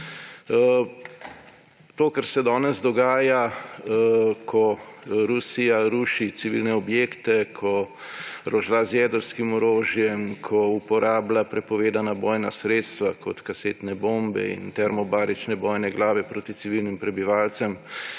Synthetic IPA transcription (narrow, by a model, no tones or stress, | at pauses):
t̪oːkaɾsɛd̪ɔːnɛzd̪ɔɡaːja | kʰɔɾusijaɾuːʃit̪siʋilnɛɔbjeːkt̪ɛkʰɔ | ɾɔʒlazjɛːd̪əɾskimɔɾoːʒjɛmkʰɔupɔɾaːblapɾɛpɔʋeːd̪anabɔːjnasɾeːt̪st̪ʋakɔt̪kaseːt̪nɛboːmbɛ̰ḭnt̪ɛɾmɔbaːɾit͡ʃnɛbɔːjnɛɡlaːʋɛpɾoːt̪it̪siʋilnimpɾɛbiʋaːlt̪sɛm